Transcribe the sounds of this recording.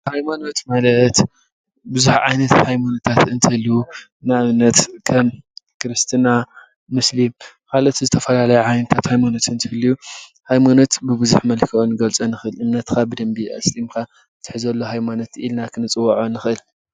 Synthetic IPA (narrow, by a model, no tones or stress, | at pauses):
hajmano̞t̪malɐt̪ | bɨzuħʕa̰jnɐt̪hajmanot̪ʰat̪ɨnt̪ʰɐlːu | naʔɨmnɐt̪kʰɐmkɨɾɨst̪ʰɨna | mɨslim | kʰalo̞t̪zɨt̪ʰɐfɐlalɐjuʕajnɐt̪ʰat̪hajmano̞t̪ʰɨnt̪ʰɨhɨlːiju | hajmano̞t̪bɨβɨzuħmɐlkʰɐonɨɡɐlt͡sʼonɨxɨlʔɨmnɐt̪kʰabɨd̪ɐmbiʔɐ̰slimkʰa | t̪ʰɨ̥ħzɐlːo̞ɦajmano̞t̪ilnakʰɨnɨt͡sʼɨwːɐʕonɨxʔɨl